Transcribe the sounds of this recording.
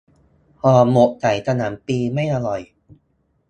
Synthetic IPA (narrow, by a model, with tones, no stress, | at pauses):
hɔː˧˩mo˨˩ʔt͡ɕa˨˩˦jsʰa˧naː˩˦mpiː˧ma˥˩jʔa˧lɔ˨˩j